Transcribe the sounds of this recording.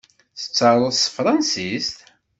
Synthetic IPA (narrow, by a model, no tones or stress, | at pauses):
θə̥t͡sːɑɾˤʊst̪fɾˤɑnsist̪